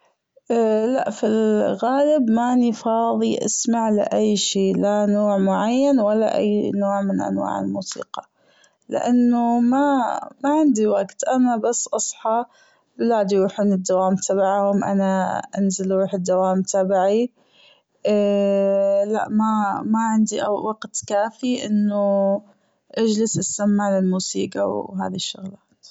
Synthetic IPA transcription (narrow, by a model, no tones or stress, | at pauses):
laʔfilɣaːlɪbmaʔnifɑːðˤiʔa̰smaʕlɪ̰ʔajːʃiːlanoːʕmʊʕajːanwalːa̰ʔa̰jːnoːʕmɪnʔa̰nwa̰ːʕɪ̰lmuːsḭːqɑ̥ | lɪ̰ʔanːʊmamaʕɪnd̪iwaɡt̪ʔanabasːʔɑsˤħɑ | bɪlaːd̪iɾuːħuːnɪd̪ːawaːmt̪ʰabaʕhʊmʔa̰naʔanzalɾuːħɪd̪ːawaːmt̪ʰabaʕi | la̰ʔmamaʕɪnd̪iʔwaɡt̪kaːfiʔɪnːʊ | ʔad͡ʒlɪsɪsːamːalɪlmuːsḭːqɑ̰wɦa̰ːðiʃːʊɣlaːt̪